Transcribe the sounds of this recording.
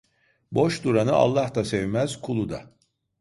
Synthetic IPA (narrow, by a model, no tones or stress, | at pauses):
bo̞ʃd̪uɾanɯʔa̰lˠːaht̪asevmæz̥kʰulˠud̪a